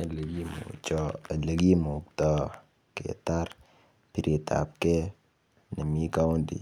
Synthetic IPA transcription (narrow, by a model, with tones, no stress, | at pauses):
le˨ɡi˦mṵ˨t͡ʃɔ˦˨le˨ɡi˦mu˨k̚tɔ˦ | kḛ˨ta˦ɾ | pi˨ɾi˨ta̰˨p̚ke˦ | ne˨mi˦ka˦wu˦ndḭ˨